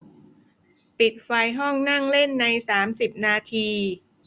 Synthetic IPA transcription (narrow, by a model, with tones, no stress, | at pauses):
pi˨˩t̪̚fa˧jɦɔ˥˩ŋna˥˩ŋle˥˩nːa˧jsaː˩˦msi˨˩p̚naː˧t̪ʰiː˧